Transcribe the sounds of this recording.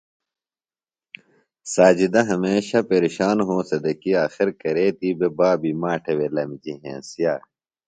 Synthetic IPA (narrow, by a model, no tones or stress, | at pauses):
saːd͡ʑid̪ɐɦɐmeːɕɐpeɾiɕaːnɦõːsɐd̪ɐkiaːxiɾkɐɾeːt̪ibebaːbimaːʈʰewelɐmid͡ʑiɦḛ̃ːsijaː